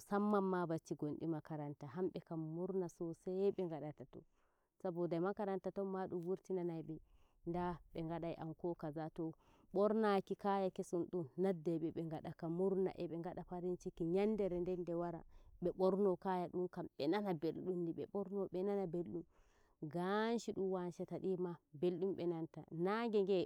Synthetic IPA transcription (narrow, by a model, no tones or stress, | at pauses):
samːamːabat͡ʃːiɡonɗimakaɾantaɦamɓɛkamːuɾnasɔsaɓɛŋɡaɗatatɔ̰ | sabɔdajmakaɾantatɔmaɗumwuɾtinanajɓɛ | ndaɓɛŋɡaɗajʔamkɔkazatɔ | ɓɔɾnakikajakesunɗunːadːaɓɛɓɛŋɡaɗakamuɾna̰ʔɛɓɛŋɡaɗapaɾint͡ʃikiɲandɛɾɛndɛndɛwaɾa̰ɓɛɓɔɾnɔkajaɗunkamɓɛnanabelɗundiɓɛ̰ɓɔɾnɔɓɛnanabelɗum | ɡanʃiɗuwanʃataɗimabelɗumɓɛnanta̰naŋɡɛŋɡɛ